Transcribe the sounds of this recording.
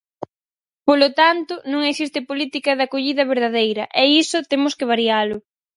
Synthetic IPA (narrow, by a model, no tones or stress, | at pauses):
polot̪ant̪ʊnũŋeksist̪ɪpolit̪ikɐðakoʎiðɐβeɾðaðejɾɐʔɛisʊt̪emʊskɪβ̞aɾialʊ